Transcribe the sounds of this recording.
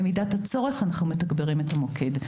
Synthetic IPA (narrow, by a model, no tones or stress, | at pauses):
emidathat͡so̞ʁe̞χanaχnumetaɡbeʁimetamo̞kʰe̞d